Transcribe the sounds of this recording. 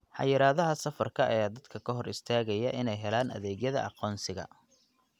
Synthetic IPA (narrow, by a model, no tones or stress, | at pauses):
ħɑ̰jɪɾaːðɐɦɐsɐfɐrkʰɐʔɐ̰jaːd̪ɐd̪kʰɐkʰɐɦɔrɪst̪ʰaːɣɐjɐʔɪnɛjɦɛlaːnɐ̰ðɛːɣjɐðɐ̰ʔɑqɔːnsɪɣɐ̰